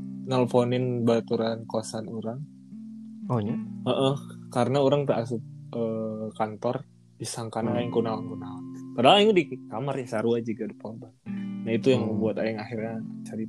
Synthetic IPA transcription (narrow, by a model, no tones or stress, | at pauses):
nɔlfonɪnbat̪uɾankoasanuɾaŋ | oɲaəʔəhkaɾənauɾaŋbas̬ʊp̚əːkant̪ɔr | bisaŋkanaaɪŋkunawaŋkunawapadaɦaliŋudikamarɲasaɾuad͡ʒiɡadipɔnbannait̪ujaŋbuat̪aɪŋaxirɲat͡ʃaɾi